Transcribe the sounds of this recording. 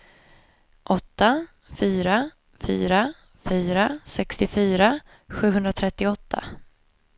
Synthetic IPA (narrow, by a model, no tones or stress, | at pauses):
ʔɔt̪ːa | fyːɾa | fy̰ːɾa | fyːɾasɛkst̪ɪfyːɾa | ɧʉ̟ːɦɵnd̪ɾat̪ʰɾɛt̪ːɪɔt̪ʰːa̰